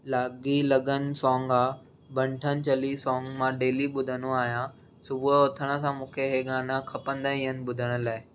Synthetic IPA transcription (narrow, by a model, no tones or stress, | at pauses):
laːɡilɐɠənɪ̆sɔːŋɡaː | bʱɐ̃ɳʈʰənɪ̆t͡ɕɐlisɔːŋɡmãɖeːliɓʊd̪ʱənoaːɦijã | sʊbʱuʊt̪ʰəɽ̃ə̆sãmũːkʰeɦeɠaːnakʰɐpə̃nd̪aĩənɪ̆ɓʊd̪ʱəɽ̃ʊ̆laːɪ